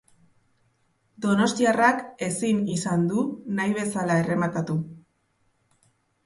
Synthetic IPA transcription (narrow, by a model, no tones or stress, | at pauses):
d̪o̞no̞st̪iarake̞sinisand̪unajβ̞e̞salae̞re̞makat̪u